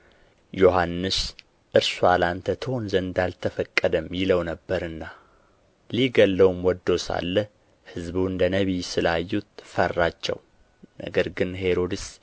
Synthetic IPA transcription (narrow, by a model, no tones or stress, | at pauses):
jo̞ɦanːɨs | ʔɨɾsualant̪ʰət̪ʰəhonzənd̪alt̪ʰəfəkʼːəd̪əmjɪləwnəbːəɾɨnːa | liɡəlːəwumwɔd̪ːo̞sa̰lːə | hɨzbuɨnd̪ənəβisɨlajːut̪̚fərːat͡ʃːɛ̰w | nə̰ɡəɾɡɨnhe̞ɾo̞d̪ɨs